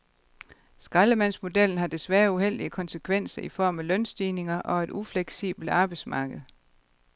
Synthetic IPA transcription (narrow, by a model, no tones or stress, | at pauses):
sɡ̥ʁɑləmæn̰smo̝d̥el̰n̩ɦɑ̈d̥e̝sʋæːɐuhel̰d̥iəkʰɒ̽nsəkʰʋen̰sɐʔifɒ̰ːmælœnsd̥iːne̝ŋɐʔɒ̽e̝d̥ufleɡ̥sḭːb̥l̩d̥ɑ̈ːb̥ɑ̈ɪ̥smɑ̈ːɡ̥əð̞̩ˠ